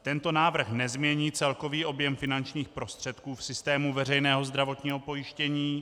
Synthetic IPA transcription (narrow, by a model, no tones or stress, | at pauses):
t̪ɛnt̪o̞naːvr̩xnɛzmɲɛɲiːt͡sɛlko̞viːʔo̞bjɛmfɪnant͡ʃɲiːxpɾo̞st̪r̝̥ɛt̪kuːfsɪst̪ɛːmuvɛrɛjnɛːɦo̞zd̪ɾavo̞t̪ɲiːɦo̞po̞jɪʃcɛɲiː